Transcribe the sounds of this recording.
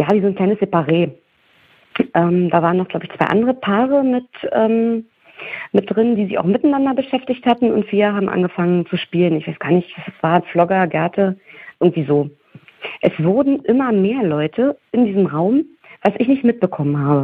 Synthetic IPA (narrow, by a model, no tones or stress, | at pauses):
jaːviːzoːnkl̥aɪnəsz̥epaʁeː | ʔɛːmd̥aːvaːʁənɔχɡ̥laʊbəɪçt͡sv̥a̰ɪʔa̰ndəʁəpʰaːʁ̞əmɪtʔɛːm | mɪt̚d̥ʁɪndiːzɪça̰ʊxmɪtnandɐbəʃɛftɪçthatn̩ʊ̰ntfiːɐɦaːbm̩ʔa̰nɡəfaŋənt͡suʃpiːlənɪçv̥aɪsɡ̥aːɐnɪç̥assv̥aːɐflɔɡɐɡɛɐtʰəʔɪɐɡŋ̩tv̥iːzoː | ʔɛsv̥ʊɐdn̩ʔɪmɐmeːɐlɔʏtʰəʔɪndiːzəmʁaʊm | v̥asɪçnɪçtmɪt̚b̥əkʰɔmənɦaːbə